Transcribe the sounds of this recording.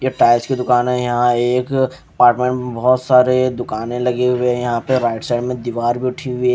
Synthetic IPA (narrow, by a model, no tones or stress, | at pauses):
jeʈaːɪskid̪ʊkaːnɦɛjɐɦãeːk | ɐpaːɾʈmẽɳʈmebɔɦɔt̪saːɾed̪ʊkaːnẽlɐɡeɦʊwejɐɦãpeɾaːɪʈsɛːɖmẽd̪iʋaːɾbʱiʊʈʰiɦʊi